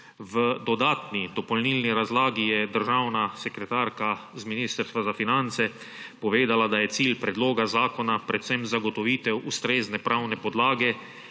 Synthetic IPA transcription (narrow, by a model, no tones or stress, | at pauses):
ʋəd̪ɔd̪aːt̪nid̪ɔpɔlnilniɾazlaːɡijɛd̪əɾʒawnasɛkɾɛt̪aɾkazminist̪əɾst̪ʋazafinant̪sɛ | pɔʋeːd̪alad̪ajɛt̪siːlpɾɛd̪loːɡazaːkɔnapɾɛt̪sɛmzaɡɔt̪ɔʋiːt̪ɛwust̪ɾeːznɛpɾʔawnɛpɔd̪laːɡɛ